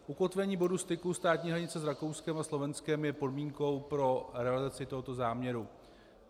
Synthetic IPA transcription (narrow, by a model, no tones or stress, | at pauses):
ʔuko̞t̪vɛɲiːbo̞dust̪ɪkust̪aːt̪ɲiːɦɾaɲɪt͡sɛzɾakowskɛmaslo̞vɛnskɛmjɛpo̞dmiːŋko̞wpɾo̞ɾɛalɪzat͡sɪt̪o̞ɦo̞t̪o̞zaːmɲɛɾu